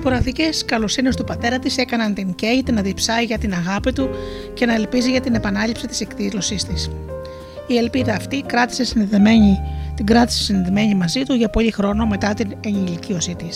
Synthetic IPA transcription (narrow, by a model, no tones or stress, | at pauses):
poɾɐðice̞skɐlosine̞st̪upɐt̪e̞ɾɐt̪ise̞kɐnɐnt̪iɲce̞it̪enɐðipsɐiʝɐt̪inɐɣɐpit̪u | ce̞nɐe̞lpiziʝɐt̪ine̞pɐnɐʎipsit̪i̥se̞ktizlo̞sist̪is | ie̞lpiðɐːft̪ikɾɐt̪i̥sesin | t̪iɡɾɐt̪i̥se̥sinðeme̞ɲimɐzit̪uʝɐpo̞lixɾo̞no̞me̞t̪ɐt̪ineɲilicio̞sit̪is